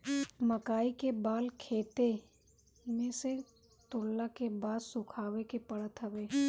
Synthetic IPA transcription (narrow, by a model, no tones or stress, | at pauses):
məkaːikebaːlkʰeːt̪e | mẽse | t̪ʊːlːakebaːd̪sʊ̃kʰaːwekepɐɽət̪ɦɐbeː